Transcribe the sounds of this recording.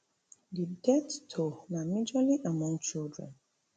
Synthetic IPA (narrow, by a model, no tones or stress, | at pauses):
didɛttʰonãmĩd͡ʒaliʔamɔ̃ŋt͡ʃildɹɛ̰̃n